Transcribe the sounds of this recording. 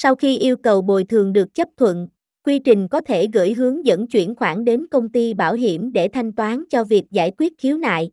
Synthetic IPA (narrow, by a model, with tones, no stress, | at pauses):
sa˧wxi˧ʔi˧əwkə˨˩wɓo˨˩jt̪ʰɨ˨˩əŋɗɨ˨˩ək̚t͡ɕə˦˥p̚t̪ʰwə̰˧˨n | kwi˧t͡ɕï˨˩ŋ̟kɔ˨˦t̪ʰe˧˩ɣɨ̰˧˥jɦɨ˨˦əŋzə̰˧˥nt͡ɕwḭ˧˩ənxwaː˧˩nɗe˨˦nkə˧wŋ͡mt̪i˧ɓaː˧˩wɦi˧˩əmɗe˧˩t̪ʰa˧jŋ̟t̪waː˨˦nt͡ɕɔ˧vi˨˩ək̚za̰ː˧˩jkwi˦˥ət̚xi˨˦wna̰ː˧˨jʔ